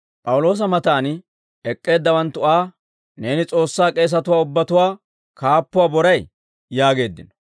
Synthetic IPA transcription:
pʼɐwʊlo̞ːs̬ɐmɐt̪aːn | ɛkʼːe̞ːd̪ːɐwɐnt̪ːʊʔaː | ne̞ːnɪt͡sʼo̞ːsːaːkʼe̞ːs̬ɐt̪ʊwaːʊbːɐt̪ʊwaː | kaːpːʊwaːbɔɾɐj | jaːɡe̞ːd̪ːɪnɔ̥

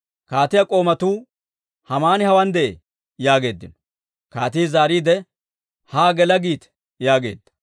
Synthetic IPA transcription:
kaːt̪ɪjɐkʼo̞ːmɐt̪uː | hɐmaːnɪhɐwɐnd̪ɛʔḛ | jaːɡe̞ːd̪ːɪnɔ | kaːt̪iːzaːɾiːd̪ɛ | haːɡɛlɐɡiːt̪ | jaːɡe̞̰ːd̪ːɐ̥

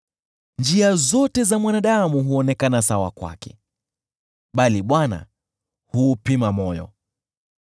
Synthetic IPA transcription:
nd͡ʒiazɔtɛzamwanaɗamuɦuɔnɛkanasawa̰kwa̰kɛ̰ | ɓaliɓwana̰ | huːpimamɔjɔ̰

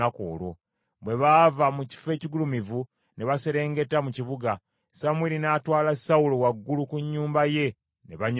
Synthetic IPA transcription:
ako̰ːlo̞̰ | βwe̞βaːvamuci̥fe̞ːciɡulumivu | ne̞βaseɾe̞ːŋɡe̞tːamuciβuɡa | samwilinaːtwaːlasaulowaɡːulukuɲːuːmbaje̞ | ne̞βaɲ

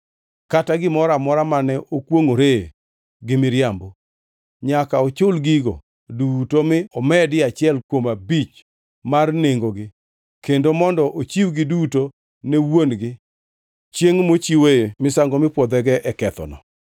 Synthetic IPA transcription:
kataɡɪmɔɾamɔɾamanɛʔokwoŋoɾe | ɡɪmɪɾjambo | ɲakaɔt͡ʃʊlɡiɡo̰ | dutomɪɔmɛdɪat͡ʃɪɛlkwomabit͡ʃ | marneŋɡoɡɪ | kendomɔndɔʔot͡ʃiwɡɪduto | newonɡɪ | t͡ʃjeŋmot͡ʃiweemɪsaŋɡɔmɪpwɔd̪ɛɡɛʔɛkɛt̪ɔ̰nɔ̰

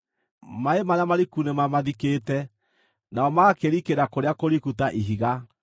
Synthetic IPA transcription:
maemaɾeamaɾikunemamaðikeːtɛ | naɔmakeɾikeɾakoɾeakoɾikutaʔiɦiɣa

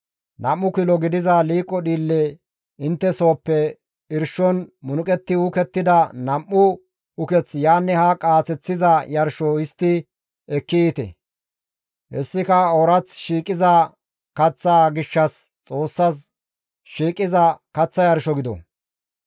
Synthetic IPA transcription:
nɐmːʊkɪlɔɡɪd̪ɪzɐliːkʼːɔɗiːlːɛ | ɪnt̪ːɛso̞ːpːɛ | ɪɾʃɔnmʊnʊkʼɛt̪ːɪʊkɛt̪ːɪd̪ɐnɐmːʊ | ʊkɛt͡sjaːnːɛhɐkʼaːt͡sɛt͡sːɪzɐjɐɾʃɔɪst̪ːɪ | ɛkːɪit̪ɛ̰ | hɛsːɪkɐɔɾɐt͡sʃiːkʼːɪzɐ | kɐt͡sːaːɡɪʃːɐs | t͡sʼo̞ːsːɐs | ʃiːkʼːɪzɐkɐt͡sːɐjɐɾʃɔɡɪd̪ɔ̰

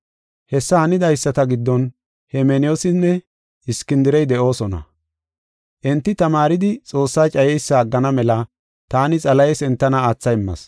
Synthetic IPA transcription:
hɛsːɐhɐnɪd̪ɐjsːɐt̪ɐɡɪd̪ːɔn | hɛmɛnɪjoːsɪnːɛ | ɪskɪnd̪ɪɾɛjd̪ɛʔo̞ːsɔnɐ̰ | ʔɛnt̪ːɪt̪ɐmaːɾɪd̪ɪt͡sʼo̞ːsːɐjt͡ʃʼɐjɛjsːɐːɡːɐnɐmɛlɐ | t̪aːnɪt͡sʼɐlɐjsɛnt̪ːɐnɐaːt͡sːɐjɪmːɐ̰s

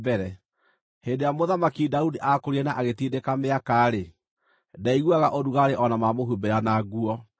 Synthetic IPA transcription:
bɛɾɛ | hendejamoðamakidaudiʔakoɾiɛnaʔaɣetidekameakaːɾe | daiɣwaɣaʔoduɣaɾeʔɔnamamoɦubeɾanaɣuɔ

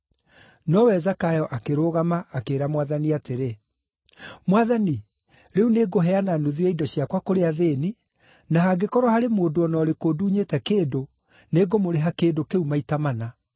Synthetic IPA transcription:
nɔwɛzakajɔʔakeɾoːɣamaːkeːɾamwaðaniateɾe | mwaðani | ɾɛuneɡoɦɛananoðiɛidɔɕiakwakoɾeaðeni | naɦaɡekɔɾwahaɾemoːdoɔnɔːɾekoduːɲetɛkeːndo | neɡomoɾeɦakeːndokeumaitamana

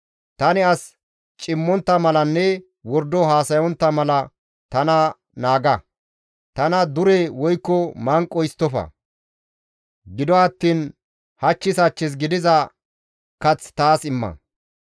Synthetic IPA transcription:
t̪ɐnɪɐs | t͡ʃʼɪmːɔnt̪ːɐmɐlɐnːɛ | wɔɾd̪ɔɦaːsɐjɔnt̪ːɐmɐlɐ | t̪ɐnɐ | naːɡɐ | t̪ɐnɐd̪ʊɾɛwɔjkːɔmɐŋkʼːɔjɪst̪ːɔfɐ̰ | ɡɪd̪ɔɐt̪ːiːn | hɐt͡ʃːɪsɐt͡ʃːɪs̬ɡɪd̪ɪzɐ | kɐt͡st̪aːsɪmːɐ̰

